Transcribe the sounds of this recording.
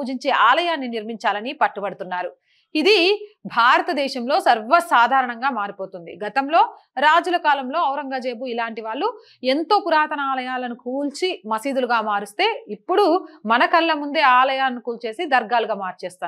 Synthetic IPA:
uːd͡ʒiɲt͡ʃe̞ːʔaːlɐjaːnːiniɾmiɲt͡ʃaːlɐnipɐʈːubɐɽut̪unːaːɾu | id̪ibʱaːɾɐt̪ɐd̪ɛːʃɐmlo̞ːsɐɾʋɐsaːd̪ʱaːɾɐɳɐŋɡaːmaːɾipo̞ːt̪und̪ḭɡɐt̪ɐmlo̞ː | ɾaːd͡ʒulɐkaːlɐmlo̞ːɐwɾɐŋɡad͡ʒeːbuilaːɳʈiʋaːɭːu | e̞nt̪o̞ːkuɾaːt̪ɐnaːlɐjaːlɐnikuːlt͡ʃimɐsiːd̪uluɡaːmaːɾust̪e̞ːipːuɽumɐnɐkɐlːɐmund̪e̞ːaːlɐjaːnːikuːlt͡ʃe̞ːsid̪ɐɾɡaːluɡaːmaːɾt͡ʃɛːst̪aː

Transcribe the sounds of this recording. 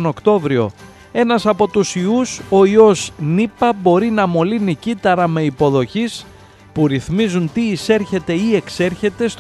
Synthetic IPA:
no̞kt̪o̞vɾio̞̰ | e̞nɐsɐpo̞t̪usiuso̞io̞znipɐbo̞ɾinɐmo̞linicit̪ɐɾɐme̞ipo̞ðo̞çis | puɾiθmizunt̪iːse̞ɾçe̞t̪e̞ie̞kse̞ɾçe̞t̪e̞st̪

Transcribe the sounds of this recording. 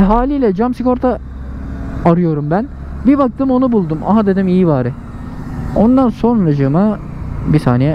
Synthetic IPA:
ɦaːlʲiːlʲɛd͡ʒamsiko̞ɾt̪ʰa | aɾɯjo̞ɾumbæn | bibak̚t̪ʰɯːmo̞nubulˠd̪umʔa̰ɦad̪e̞d̪imijivaːɾɯ | o̞nd̪anso̞nɾad͡ʒɯma | bisaːnijɛ

